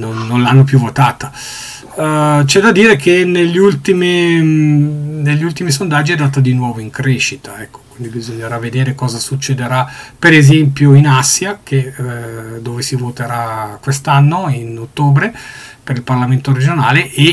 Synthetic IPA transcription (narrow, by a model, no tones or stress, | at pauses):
nonːonlanːop̬juvːot̪aːt̪a | t͡ʃɛd̪ad̪iːɾekʰeneʎːult̪ime | neʎːiult̪imisond̪ad͡ʒːiɛd̪ːaːt̪ad̪inwɔːvoiŋkɾeʃit̪aɛkʰːo̥kwind̪ibizoɲːeɾavːed̪eːɾekɔːzasut͡ʃːed̪eɾapeɾezɛmpjoinasjakʰe | d̪oːvesivot̪eɾakwest̪anːoinot̪ːoːbɾepeɾilparlament̪oɾed͡ʒonaːlee